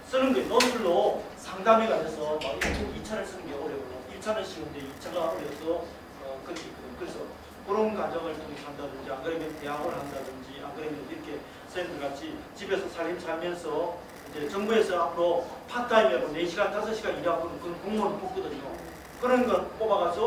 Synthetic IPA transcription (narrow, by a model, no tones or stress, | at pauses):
s͈ɯnɯnɡenʌpʰɯɭːo | sʰaŋdameɡatʰesʰʌmaɡikʰeit͡ɕʰaneɭs͈ɯnɯnɡe̞ʌɾjʌɡonoit͡ɕʰaneɭɕʰiɡɯndeit͡ɕʰaŋaʌɾjʌsʰʌ | ʌkɯkʰik | kɯɾesʰʌ | koɾonɡwad͡ʑʌŋɯɭtoŋekandadɯnd͡ʑianɡɯɾemjʌnte̞ɦaɡɯɭhandadɯnd͡ʑiʔa̰ŋɡɯɾemjʌʌiɾʌkʰe̞ | sʰendʰɯɭɡat͡ɕʰit͡ɕibe̞sʰʌsʰaɭimsaɭmjʌnsʰʌ | ind͡ʑe̞t͡ɕʌŋbue̞sʰʌapʰɯɾopʰat͈aimjʌɡoneɕʰiɡant͈ʰas̬ʰʌɕʰiɡaniɾakonɯnkɯʌnkoŋmonɯɭpok͈̚ʌdɯɲo | kɯɾʌnɡʌnp͈obaɡasʰo